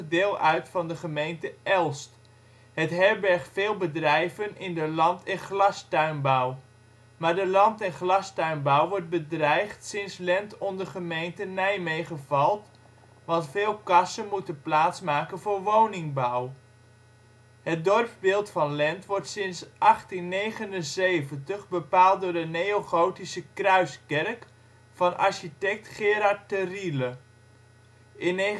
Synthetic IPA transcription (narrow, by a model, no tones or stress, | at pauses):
ədɪːlˠœɥtfɑndəχəmejntəʔɛlˠst | hətɦɛɹbɛɹχfɪːlˠbədrɛjvənɪndəlɑntɛnχlɑstœɥnbɔw | maːɹdəlɑntɛnχlɑstœɥnbawʋɔɹt̚bədrɛjχtsɪnslɛntɔndəχəmejntənɛjmejχəvɑlˠt | ʋɑntfɪːlˠkɑsənmutənplaːtsmaːkənvoːɹʋownɪŋbaw | hət̚dɔrpbɪːlˠtfɑnlɛntʋɔɹtsɪnsʔɑχtinːejχənənzejvəntəχbəpaːlˠt̚dʊːɹdənejoχowtisəkrœɥskɛrk | fɑnʔɑ̰ɹʃitɛk̚tχɪːɾaɹt̚ərilə | ʔɪne